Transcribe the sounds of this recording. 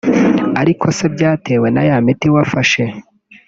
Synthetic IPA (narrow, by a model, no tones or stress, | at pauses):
aɾikʰo̞se̞bɟaːte̞ːwe̞najamitiwafaʃe̞